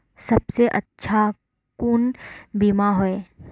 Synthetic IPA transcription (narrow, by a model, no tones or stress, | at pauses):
sɐbseʔɐ̰tːʃʰa | kuːnbimaɦoeː